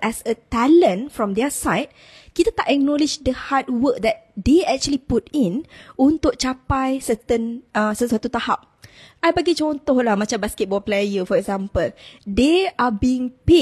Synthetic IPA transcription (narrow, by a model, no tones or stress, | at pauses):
ʔɛsət̪ɛlə̃nfɹɔ̃mdɛsajt̚ | kit̪at̪aʔɛk̚nɔ̃lid͡ʒdəhad̚wək̚d̪ɛt̪̚deɛk̚t͡ʃuəliputĩnunt̪ʊk̚t͡ʃapajsət̪ənə̃səswat̪ut̪ahap̚ʔajbaɡit͡ʃɔnt̪ɔhlahmãt͡ʃambaskɛt̚bɔplajəfɔɾɛkzãmpəldeʔabiɪŋpe